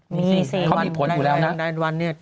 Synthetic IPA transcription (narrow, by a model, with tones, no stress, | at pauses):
miː˧si˨˩kʰa˧˥˩miː˧pʰo˨˩˦u˨lɛː˦˥wna˦˥da˧˩wa˧nːi˥˩ɐ